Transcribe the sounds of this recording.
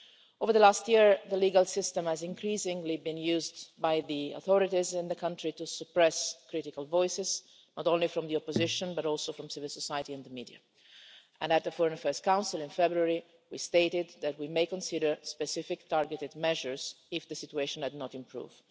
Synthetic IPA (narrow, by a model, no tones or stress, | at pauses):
ovəɹðəlast̪jiɹðəliːɡalsɪst̪ɛ̃mhæzɪ̃ŋkɾiːsɪ̃ŋɡlibĩnjuːzd̪bajðio̰θɔɾɪt̪izɪ̃nd̪əkãntɹit̪usəpɹɛskɾɪt̪ɪkalvɔɪsɪz | nɔtõnlifɾɔ̃md̪iɔpːozɪʃɔ̃nbaɾɔlsofɾɔ̃msɪvɪlsɔsajət̪iɛ̃nd̪əmiːdia̰ | ʔɛ̰̃ndæt̪̚d̪əfɔɹɛ̃nfɜ˞stkãw̃nsɪlɪ̃nfɛbɾuaɹi | wist̪eɪtɪd̪ːætwimeɪkɔ̃nsɪdəɹspɛsɪfɪkt̪aɹɡət̪ɪd̪mɛʒəɹz | ɪfd̪əsit̪ueɪʃɔ̃nɛd̪nɔt̪ɪ̃mpɹṵːv̥